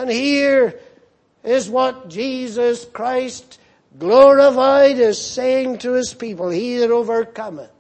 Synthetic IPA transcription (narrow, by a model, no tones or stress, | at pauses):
ə̃nhiɹ | ɪzwʌt̚d̥ʒ̥izəskʰɹ̥aɪst | ɡ̥lɔɹəfaɪɾɪz̥seɪɪ̃ŋtʰɨɪz̥pipəl̩ˠhizəɹovə˞kʰʌmɪ̃ŋ